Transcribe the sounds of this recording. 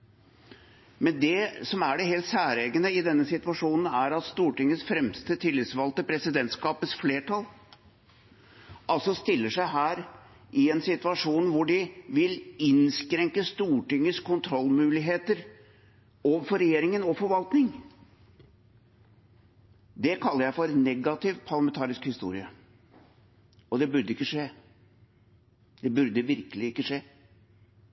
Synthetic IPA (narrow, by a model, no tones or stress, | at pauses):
mɛnd̪ɛsɔmæɖɛɦeːlt̪sæːɾeːɡənəɪd̪ɛnːəsɪt̪ʋɑʂuːnən̩æɾɑt̪st̪uːʈʏŋːəsfɾɛmst̪ət̪ʰɪlːɪt̪sʋɑːlt̪əpʰɾɛsɪd̪ɛnt̪skɑːpəsfleːʈʰɑl | ʔɑlsɔst̪ɪlːəʂæɪɦæːɾ | ʔɪɛnsɪt̪ʉɑʂuːnʋʊɖɪʋɪlɪnskɾɛŋkəst̪uːʈɪŋːəskʰʊnt̪ʰɾɔlːmʉːlɪɦeːt̪əɾ | oːʋəfɔɾːɛjeːɾɪŋənɔfɔɾʋɑlt̪nɪŋ | d̪ɛkʰɑlːəɾjæɪfɔɾnɛɡɑt̪ʰɪʋpʰɑɾlɑmɛnt̪ʰɑːɾɪskhɪst̪ṵːɾɪə | ɔd̪ɛbʉɾd̪əɪkːəʂeː | d̪̥ɛbʉɾd̪əʋɪɾkəlɪɪkːəʂeː